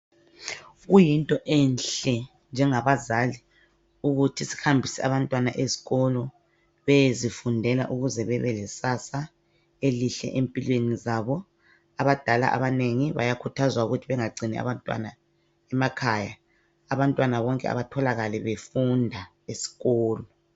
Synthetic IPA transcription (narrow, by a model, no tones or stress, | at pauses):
ɣujintʼɔʔɛnɬɛ | nd͡ʒʱɛŋaβazali | uɣutʰisi̥hambʱisɛaβantʼwanaʔezi̥ɣɔlɔ | βezifundʱɛla̰ʔuɣuzɛβɛβɛlɛsasa | eliɬɛ̰ʔempʼilwenizaβɔ | aβad̥ʱala̰ʔa̰βaneŋiβa̰jakʰutʰazwauɣutʰiβɛŋaɡ͡ǀʱinia̰βantʼwa̰na | ɛmakʰaja̰ː | βantʼwanaβɔŋkʼɛ̰a̰βatʰɔlaɣalɛβefundʱa | esi̥ɣɔːlɔ